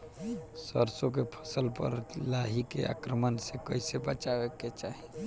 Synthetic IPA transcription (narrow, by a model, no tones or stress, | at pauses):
səɾsok̬epʰə̥səlpə̰ɾlaɦikḛa̰kɾəmənsekəisebət͡ʃaʋeket͡ʃaɦi